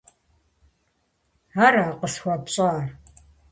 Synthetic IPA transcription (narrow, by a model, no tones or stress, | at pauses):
aɾaːqəsxʷapɕʼaːr